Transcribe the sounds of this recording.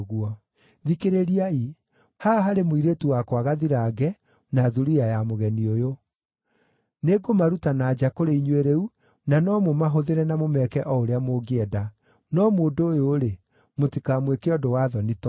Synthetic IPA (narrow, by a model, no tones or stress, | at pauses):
ɣuɔ | ðikeɾeɾiai | haːɦaɾemoiɾetuwakwaɣaðiɾaːɡɛ | naðuɾijajamoɣɛniojo | neɡomaɾutanaːd͡ʑakoɾeiɲweɾɛu | nanɔmomaɦoðeɾɛnamomɛkɛʔɔoɾeamoɡeɛda | nɔmoːdojoːɾe | motikamwekeɔdowaðɔnitɔ